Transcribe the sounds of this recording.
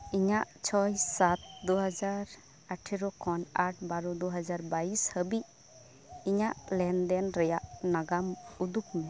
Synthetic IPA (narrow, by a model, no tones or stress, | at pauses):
iɲaʔt͡ʃʰɔjsat̪̚d̪uɦad͡ʒaɾ | aʈʰiɾɔkʰɔnaʈ̚ʰbaɾɔd̪ɔɦad͡ʒaɾbaishəbiʔ | iɲaʔlɛnd̪ɛnɾɛjaʔnaɡamud̪ukmɛ